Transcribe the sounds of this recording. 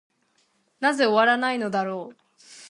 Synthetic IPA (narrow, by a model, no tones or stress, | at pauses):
naze̞o̞βaɾanaino̞d̪aɾo̞ː